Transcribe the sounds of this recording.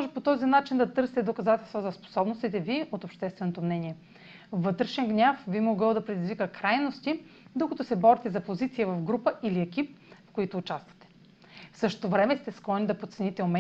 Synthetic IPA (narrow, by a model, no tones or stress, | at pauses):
mɔʒɛpot̪ɔzinat͡ʃind̪ɐt̪ɤɾsɛ̥t̪ɛd̪okɐzat̪ɛlˠst̪vozɐspo̥sɔbnost̪it̪ɛviʔot̪opʃt̪ɛst̪vɛnot̪omnɛniɛ | vɤt̪ɾɛʃɛnɡnʲafbimoɡɤlˠd̪ɐpɾɛd̪izvikəkɾajnost̪id̪okɐt̪usɛbɔɾit̪ɛzɐpozit̪sijəvɐvɡɾupəʔiliɛkʲip̚fkoit̪ʊːt͡ʃast̪vɐ̥t̪ɛ̥ | fsɤʃo̥t̪ovɾɛmɛst̪ɛsklˠɔnid̪ɐpot̪sɛnit̪ɛomɛ